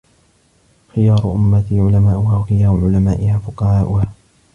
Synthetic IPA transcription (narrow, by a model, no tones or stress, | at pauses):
xɪjɑːɾˤʊʔʊmːat̪ɪʕʊlamaːʔʊhaːwxɪjaːɾʊʕʊlamaːʔɪhaːfʊqɑhaːʔʊhaː